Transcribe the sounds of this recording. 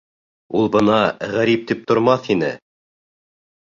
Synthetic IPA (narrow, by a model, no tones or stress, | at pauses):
ulˠbɤnɑʁæɾip̚t̪ip̚t̪ŏɾmɑθinɘ